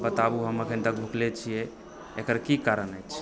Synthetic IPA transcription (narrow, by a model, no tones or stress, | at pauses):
bət̪abuɦəməkʰənt̪ək̚bʱuklet͡ʃʰijɛ | ekəɾkikaɾənəjt͡ʃʰ